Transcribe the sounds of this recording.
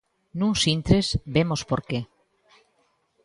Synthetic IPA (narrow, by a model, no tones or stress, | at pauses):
nũŋsint̪ɾezbemospoɾke